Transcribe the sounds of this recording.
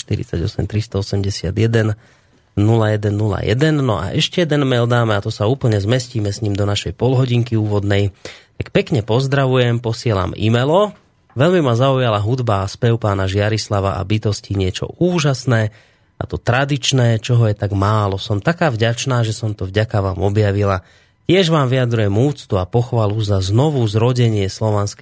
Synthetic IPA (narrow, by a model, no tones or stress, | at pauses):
ʃt̪iɾḭt͡saɟɔ̰sɛ̰mt̪ɾist̪ɔɔsɛmɟɛsɪa̰d̪jɛd̪ɛn | nulajɛd̪ɛnːula̰jɛ̰d̪ɛnːɔʔa̰ʔɛʃcɛjɛd̪ɛnmɛld̪aːmɛat̪ɔsauːpl̩ɲɛzmɛsciːmɛsɲimd̪ɔnaʃɛjpɔlɦɔɟiŋkiuːʋɔd̪nɛjt̪akpɛkɲɛpɔzd̪ɾaʋujɛmpɔsɪɛla̰mḭmɛlɔ | ʋɛʎmimazaujalaɦud̪baspɛʊpaːnaʒɪaɾislaʋa̰ʔa̰bit̪ɔsciɲɪɛt͡ʃɔ̰ʔuːʒasnɛː | a̰t̪ɔt̪ɾad̪it͡ʃnɛːt͡ʃɔɦɔjɛt̪aɡmaːlɔsɔmt̪akaːvɟat͡ʃnaːʒɛsɔmt̪ɔvɟakaʋaːmɔbjaʋila | cɪɛʒʋaːmʋiad̪ɾujɛmuːt͡st̪uapɔxʋaluzaznɔʋuzɾɔɟɛɲɪɛslɔʋansk